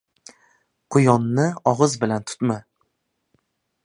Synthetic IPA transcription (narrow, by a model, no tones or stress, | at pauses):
qʰʊjɒnːɪɒʁɨzbɪlant̪ʰʊ̥t̪ma